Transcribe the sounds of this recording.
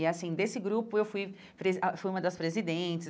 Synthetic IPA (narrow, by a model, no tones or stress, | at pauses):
ɪasĩd̪esɪɡɾupʊewfuj | pɾezafujũmɐd̪ɐspɾezid̪ẽt͡ʃɪ